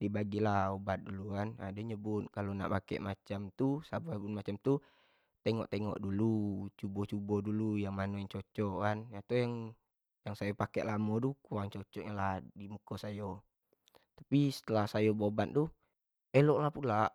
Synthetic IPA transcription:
dibaɡilahobat̪̚dulukana̰dəɲəbʊt̪̚kalona̰ʔpakḛʔmat͡ʃamt̪usababunmat͡ʃamt̪u | t̪eŋɔ̰ʔt̪eŋɔ̰ʔdulut͡ʃubɔt͡ʃubɔdulujaŋmanoŋt͡ʃot͡ʃɔkanjat̪ujaŋ | jaŋsajopakɛ̰ʔlamot̪ukuwaŋt͡ʃot͡ʃɔʔɲalahdimukosajo | t̪ḁpisə̥t̪əlahsajobobat̪̚t̪u | elɔʔlahpulaʔ

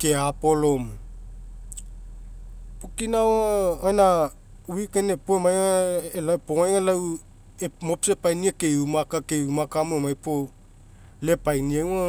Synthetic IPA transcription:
keapo̞lom | pokinawaena | uikenepomajaelapomajŋalaw | emopsepajniakejumakakeumakamoemajpo | le̞pajniaa

